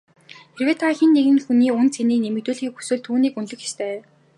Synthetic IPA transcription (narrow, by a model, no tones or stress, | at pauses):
t̪ʰerweːt̪ʰaxinːeɣɘ̆nxuniːʊnt͡sʰeniːnemɘ̆t̪ŭːɮxiːkxu̥sɘːɮt̪ʰuːniːkɵnɮɵ̆xe̥st̪ʰeː